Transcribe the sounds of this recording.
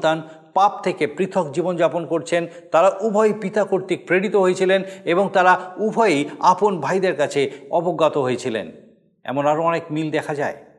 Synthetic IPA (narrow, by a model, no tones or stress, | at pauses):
t̪an | pap̚t̪ʰekepɾit̪ʰokd͡ʑibond͡ʑaponkoɾt͡ɕʰen | t̪aɾaʔubʱɔjpit̪akoɾt̪ik̚pɾeɽit̪oɦojet͡ɕʰileneboŋt̪aɾaubʱɔjeaponbʱajd̪eɾkat͡ɕʰeɔboɡːat̪oɦojet͡ɕʰilḛn | ɛ̰monaɾoɔnekmild̪ɛkʰad͡ʑae